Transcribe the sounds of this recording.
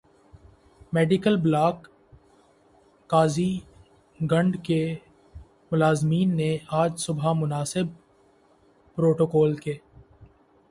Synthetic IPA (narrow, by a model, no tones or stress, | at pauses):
mɛːɖɪkəlblaːk | aːzi | ɡɐ̃ɳɖke | mʊlaːzmiːnːeaːd͡ʒsʊbʱamʊnaːsɪb̚ | pɾoːʈoːkɔːlkeː